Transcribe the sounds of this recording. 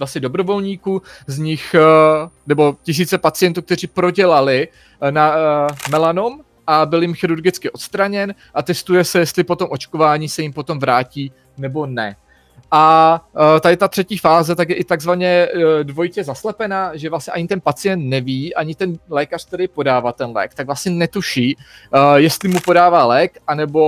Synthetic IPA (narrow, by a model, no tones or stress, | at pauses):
vlasɲɛdo̞bɾo̞vo̞lɲiːkuːzɲɪx | nɛbo̞cɪs̬iːt͡sɛpat͡sɪjɛnt̪uːkt̪ɛriːpɾo̞ɟɛlalɪ | namɛlanom | ʔabɪljɪmxɪɾuɾɡɪt͡skɪʔo̞t̪st̪ɾaɲɛn | ʔat̪ɛst̪ujɛsɛjɛst̪lɪpo̞t̪o̞mʔo̞t͡ʃko̞vaːɲiːsɛjɪmpo̞t̪o̞mvɾaːciː | nɛbo̞nɛ | ʔa | t̪adɪt̪at̪r̥ɛciːfaːzɛt̪akjɛʔɪt̪aɡzvaɲɛdvo̞jcɛzaslɛpɛnaːʒɛvlasɲɛʔaɲɪt̪ɛnpat͡sɪjɛnt̪nɛviːʔaɲɪt̪ɛnlɛːkar̥t̪ɛdɪpo̞daːvat̪ɛnlɛ̰ːk̚t̪aɡvlasɲɛnɛt̪uʃiː | jɛst̪lɪmupo̞daːvaːlɛːkʔanɛbo̞